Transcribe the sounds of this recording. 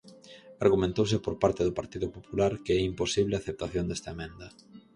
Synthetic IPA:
aɾɣumẽnt̪owsɪpoɾpaɾt̪ɪðopaɾt̪iðʊpopulaɾkeɛimposiβlɪaθep̚t̪aθjond̪ɛst̪aemɛ̃nd̪ɐ

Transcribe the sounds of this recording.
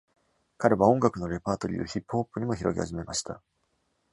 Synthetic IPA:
kaɾe̞βaõ̞ŋɡakɯ̟no̞ɾe̞paːt̪o̞ɾʲḭːo̞̰çipːɯ̥ho̞ːpːɯ̟ɲ̟imo̞çiɾo̞̰ɡʲḭha̰ʑime̞ma̰ɕi̥t̪a

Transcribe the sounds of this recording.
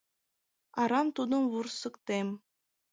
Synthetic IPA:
ɑɾɑmt̪ud̪ɤ̆nβursɤ̆kt̪em

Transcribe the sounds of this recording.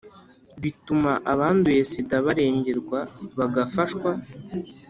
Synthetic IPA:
βitumaʔaβaːndueːsidaβaɾe̞ːɲɟe̞ɾɡwaβaɡafaʃkwa

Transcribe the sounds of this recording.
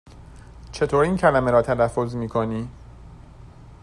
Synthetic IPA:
t͡ʃʰe̞t̪ʰoːɾiːncʰælæmeɾɒːt̪ʰælæfːo̞zmiːkʰoniː

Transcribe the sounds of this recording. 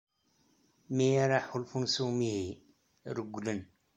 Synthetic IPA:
mijaɾˤaħulfunsuwmihi | ɾəɡːlən

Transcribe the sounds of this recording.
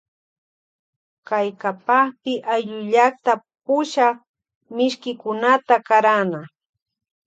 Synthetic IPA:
kajkapaχpɪʔaʎʊʎakt̪a | pʊʃa | mɪʃkɪkʊnat̪akaɾana

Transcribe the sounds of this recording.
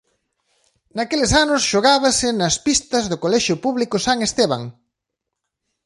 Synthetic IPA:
nakelesanʊsʃoɣaβɐsɪnɐspist̪ɐzðʊkolɛʃʊpuβlikʊsaŋest̪eβ̞a̰ŋ

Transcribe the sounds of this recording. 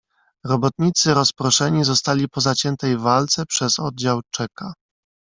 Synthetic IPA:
ɾɔbɔt̪̚ɲit̪sɘɾɔspɾɔʂɛɲizɔst̪alʲipɔzat͡ɕɛnt̪ɛjvalt̪sɛpʂɛzɔd̪̚d͡ʑawt͡ʂɛka

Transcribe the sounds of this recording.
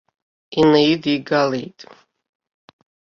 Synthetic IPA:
inajidiɡalejtʼ

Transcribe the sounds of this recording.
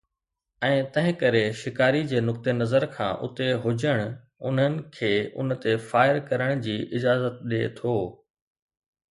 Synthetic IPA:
ɛ̃ːt̪ɐ̃ɦɪ̃kɐɾeʃɪkaːɾid͡ʑeːnʊk̚t̪enɐzəɾkʰã̰ːʔʊ̰t̪eɦʊd͡ʑəɽ̃ʊ | ʊ̰n̤ɦənɪ̆kʰeːʊ̰nt̪efaːɪɾkɐɾəɽ̃d͡ʑiːʔɪd͡ʑaːzət̪̚ɗet̪ʰoː

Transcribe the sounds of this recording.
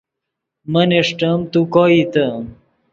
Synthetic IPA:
mɐneʂʈɐmt̪ukoːit̪ɐm

